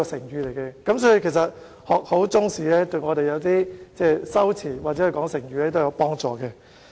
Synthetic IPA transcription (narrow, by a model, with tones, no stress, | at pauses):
ɔː˧sɪ˨˩ŋjyː˨˧le˨˩jkɛː˧kɐ˨˥msɔː˨˥i˧kʰe˨˩js̬ɐ˨t̚ | hɔː˨k̚ho˨˥wt͡sʊ˥ŋsiː˨˥lɛː˥t̪ɵ˧ŋɔː˨˧ɾe˨jɐ˨˧wt̪iː˥t͡sɛː˥˧sɐ˥wt͡sʰiː˨˩waː˨˩t͡sɛ˨˥ɵ˨˧kɔː˨˥ŋsɪ˨˩ŋjyː˨˧lɛː˥t̪wjɐ˨˧wpɔː˥ŋt͡sɔː˨˧kɛ˧